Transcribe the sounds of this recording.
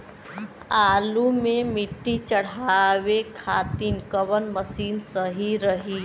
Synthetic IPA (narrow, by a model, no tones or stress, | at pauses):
aːlumẽmiʈːit͡ʃəɽ̤aʋekʰat̪iːnkəʋənməsiːnsəɦiɾəɦi